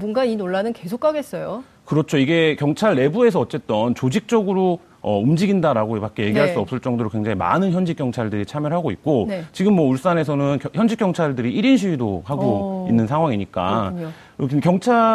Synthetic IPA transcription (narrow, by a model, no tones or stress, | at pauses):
bonɡainoɭːanɯnke̞sʰokʰaɡe̞s͈ʌjo | kɯɾʌt͡ɕʰoiɡe̞kjʌŋt͡ɕʰaɭːe̞bue̞sʰʌːt͡ɕ͈e̞t̚t͈ʌnt͡ɕod͡ʑik̚t͡ɕ͈ʌɡɯɾo | ʌumd͡ʑiɡindaɾaɡopak͈eje̞ɡiɦaɭs͈uʌp̚s͈ɯɭt͡ɕ͈ʌŋdoɾokwe̞ŋd͡ʑaŋima̰nɯnçjʌnd͡ʑik͈jʌŋt͡ɕʰaɭdɯɾit͡ɕʰamjʌɭɦaɡoik̚k͈ont͡ɕiɡɯmːwʌuɭs͈ane̞sʰʌnɯnçjʌnd͡ʑik͈jʌŋt͡ɕʰaɭdɯɾiiɾinɕ̬ʰiidohaɡoinːɯnsʰaŋɦwaŋiɲik͈a̰ | kkjʌŋt͡ɕʰa